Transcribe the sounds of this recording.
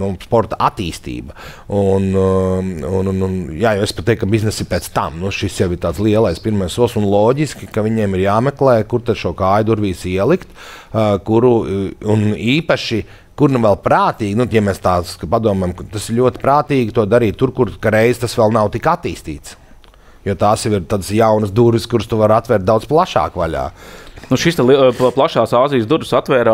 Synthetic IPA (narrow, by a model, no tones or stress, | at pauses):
nuspɔɾt̪ɐʔat̪iːst̪ḭːbɐun | unnnjaːjɛwespat̪ɛjkːabiznɛsipɛːt̪st̪amnuʃisjawɪɾt̪aːt̪slˠiɛlˠajspiɾmajssuɔlˠsunlˠɔːɟiskʲikaʋiɲɛːmiɾjaːmɛklˠɛːjkuɾt̪ad̪ʃuɔkaːjd̪uɾʋʲiːsiɛlˠikt̪kuɾuuniːpaʃi | kuɾnuʋɛlˠpɾaːt̪iːɡʲnujamɛːst̪aːspad̪uɔmɛjmt̪asɪɾʎʲuɔt̪ɪ̥pɾaːt̪iːɡʲit̪uɔd̪aɾiːt̪ʲːuɾkuɾkaɾɛjzt̪asʋɛlˠnawt̪ikat̪iːst̪ḭːt̪s | joːt̪aːsiʋiɾt̪aːd̪sjawnəsd̪uɾʋiskuɾst̪uʋaɾat̪ʋʲɛɾt̪̚d̪awd̪splˠaʃa̰ːkʋaʎʲa̰ːnuʃist̪ɛlˠipplˠaʃaːsaːzijəsd̪uɾʋsat̪ʋɛːɾaː